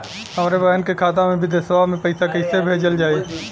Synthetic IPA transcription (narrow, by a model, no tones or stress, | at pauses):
ɦəmɾebəɦənkekʰaːt̪̬ãmẽbʱid̪ɪsʋamẽpəɪsakəɪsebʱeːd͡ʒəld͡ʒaːeː